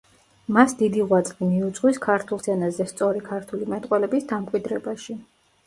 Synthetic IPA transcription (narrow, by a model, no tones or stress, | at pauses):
masd̪id̪iʁwat̪sʼqʼimiut̪sʼqʼwiskʰaɾt̪ʰulˠsɛnazɛst̪sʼɔɾikʰaɾt̪ʰulimɛt̪ʼqʼwɛlɛbisd̪amkʼwid̪ɾɛbaʃi